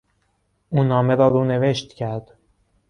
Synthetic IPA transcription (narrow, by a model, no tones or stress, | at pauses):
ʔuːnɒːmeɾɒːɾuːne̞ve̞ʃt̪cʰæɾd̪̥